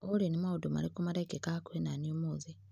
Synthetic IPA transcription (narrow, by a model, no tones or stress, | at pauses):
olenimauduma̰likumaɾaikekakwenaniomoːzi